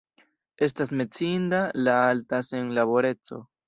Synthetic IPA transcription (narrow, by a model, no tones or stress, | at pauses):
e̞st̪asme̞t͡sind̪alaalt̪aseŋlaβo̞ɾet͡so̞̰